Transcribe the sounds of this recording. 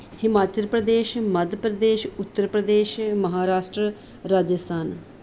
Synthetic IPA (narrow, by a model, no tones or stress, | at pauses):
hɪmaːt͡ʃəlpɾəd̪eːʃməd̪ʱpɾəd̪eːʃʊt̪ːəɾpɾəd̪eːʃməɦaːɾaːʃʈɾə | ɾaːd͡ʒəst̪ʰaːn